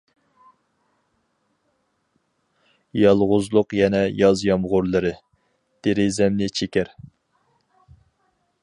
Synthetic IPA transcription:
jɑlˠʁʊzlˠʊqjɛnɛjɑzjɑmʁʊɾlˠɨɾɨ | d̪̥eɾɪzɛmnɪt͡ʃʰekʲæɾ

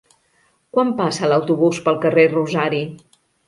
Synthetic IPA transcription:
kwampasələwt̪uβuspəlˠkəreruzaɾi

